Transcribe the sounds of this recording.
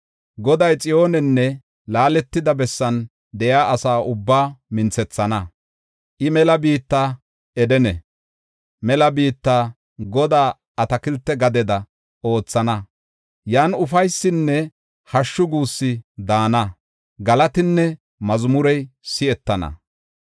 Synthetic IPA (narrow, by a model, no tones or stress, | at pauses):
ɡɔd̪ɐjt͡sʼɪjo̞ːnɛnːɛ | laːlɛt̪ːɪd̪ɐbɛsːɐn | d̪ɛjaːʔɐsaːʔʊbːaːmɪnt͡sɛt͡sːɐnɐ | ʔɪmɛlɐbiːt̪ːaː | ɛd̪ɛnɛ | mɛlɐbiːt̪ːaː | ɡɔd̪aː | ɐt̪ɐkɪlt̪ːɛɡɐd̪ɛd̪ɐ | o̞ːt͡sːɐnɐ | jaːnʊfɐjsːɪnːɛ | hɐʃːʊɡuːsːɪd̪aːnɐ | ɡɐlɐt̪ɪnːɛ | mɐzmʊɾɛjsɪɛt̪ːɐnɐ̰